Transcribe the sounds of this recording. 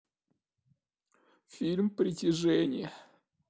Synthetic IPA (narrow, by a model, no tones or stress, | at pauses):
fʲilʲmpɾʲɪtʲɪʐɛnʲɪ̰jə